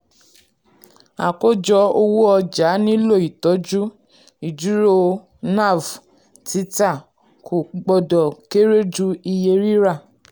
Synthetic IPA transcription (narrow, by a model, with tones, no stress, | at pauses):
a̰˨ko˦˨d͡ʒɔ˧˦o˧wu˦ɔ˧d͡ʒa˨˦nĩ˦lo˦˨i˨tɔ˨˦d͡ʒu˦ | i˨d͡ʒu˨˦ɾo˦˧ | na˦˨v | ti˦ta˦˨ | kʰo˨ɡ͡bɔ˧dɔ˨ke˦ɾe˦d͡ʒu˦i˧je˧ɾi˦ɾa˦˨